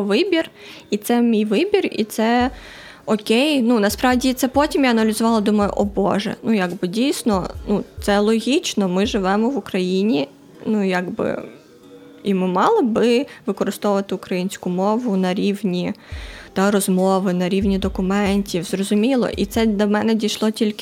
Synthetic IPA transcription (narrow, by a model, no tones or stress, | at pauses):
ʋɪbʲir | it̪sɛmʲijʋɪbʲirḭt̪sɛ | ɔkʲejnunɐspɾɑʋdʲit̪sɛpɔtʲimjaɐnɐlʲɪzʊʋɑlˠɐd̪umɐjʊ̰ʔɔbɔ̰ʒɛ̰nujaɡbɪdʲijsʲnɔnut̪sɛlˠɔɦʲit͡ʃnɔmɪʒɪʋɛmɔʋʊkɾɐjinʲi | nujaɡbɪ̰ | imɪmɑlˠɐbɪʋɪkɔɾɪst̪ɔʋʋɐt̪ɪʊkɾɐjinʲsʲkʊmɔʋʊnɐɾʲiwnʲit̪ɑɾɔzmɔʋɪnɐɾʲiʋnʲid̪ɔkʊmɛnʲtʲiwzrɔzʊmʲilˠɔ̰ʔit̪sɛd̪ɐmɛnɛdʲijʃlˠɔtʲilʲkɪ